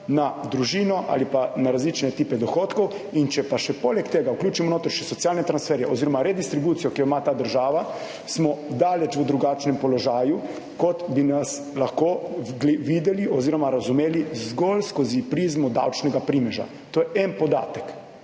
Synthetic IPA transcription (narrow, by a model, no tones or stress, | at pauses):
nad̪ɾuʒiːnɔʔa̰lipanaɾazliːt͡ʃnɛt̪iːpɛd̪ɔxoːt̪kɔw | int͡ʃɛpaʃɛpoːlɛkt̪eːɡauklʲjuːt͡ʃimɔnoːt̪ɾɛʃɛsɔt̪sijaːlnɛt̪ɾansfɛːɾjɛɔziːɾɔmaɾɛd̪ist̪ɾibuːt̪sijɔkioimat̪aːd̪əɾʒaːʋa | smɔd̪aːlɛt͡ʃʋəd̪ɾuɡaːt͡ʃnɛmpɔlɔʒaːju | kɔt̪binas | laxkoɡlʋid̪ɛliɔziːɾɔmaɾazumeːlizɡolskozipɾizmud̪a̰wt͡ʃnɛɡapɾiːmɛʒa̰ | t̪oːjɛʔɛnpɔd̪a̰ːt̪ək